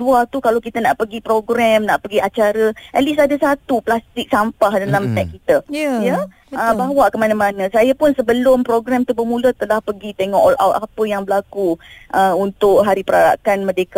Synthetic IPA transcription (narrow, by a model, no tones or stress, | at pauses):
duat̪ukalawkit̪ənaʔpəɡipɾoɡɾɛmnaʔpəɡiat͡ʃaɾəʔɛt̪lisadasat̪uplast̪ɪk̚sampahdalamt̪ɛʔkit̪əjə | əbawaʔkəmanə̃mãnə̃sajapʊnsəbəlʊmpɾoɡɾɛmt̪ubəmũlət̪əlahpəɡit̪eŋɔʔɔla̰wt̪apəjaŋbəlakuʔəunt̪ʊk̚ɦaɾipəɾaɾa̰kanmədeka